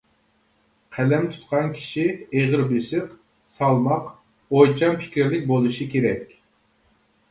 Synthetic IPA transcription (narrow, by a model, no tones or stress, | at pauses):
qʰælɛmt̪ʰu̥t̪̚qʰɑnkʲʰi̥ʃieʁəɾbesɨq | sɑlˠmɑq | ojt͡ʃʰɑmpʰɪ̥kʲɾlɪk̚ʲbolˠuʃikʲʰeɾɛkʲ